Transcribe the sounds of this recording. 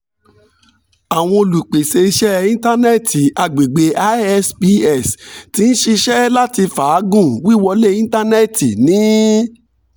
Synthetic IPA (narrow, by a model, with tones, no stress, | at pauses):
a˨w̃ɔ̃˧o˧lu˨k͡pe˨se˧i˧ʃɛ˦ĩ˦ta˦ne˦˨tʰi˨a˨ɡ͡be˨ɡ͡be˨˦a˦ɛ˦spi˧ɛ˦˨sti˨˦ñ̩˦ʃi˧ʃɛ˦la˦ti˧fa˨˦ɡũ˦˨wi˦˨wɔ˧le˦ĩ˦n˦ta˦nɛ˦˨ti˨nĩ˨˦